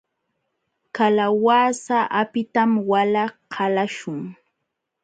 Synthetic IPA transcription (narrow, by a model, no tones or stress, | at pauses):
kalawaːsaʔapɪt̪amwalaqʰɑlaʃʊŋ